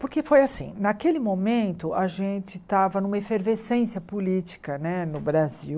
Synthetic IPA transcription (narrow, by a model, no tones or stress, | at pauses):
pʊɾkefojasḭ̃nakelɪmomẽnt̪ʊʔaʒẽnt͡ʃɪt̪avɐnũmɐefeɾvesẽsjɐpulit͡ʃi̥kɐnɛnʊbɾaziw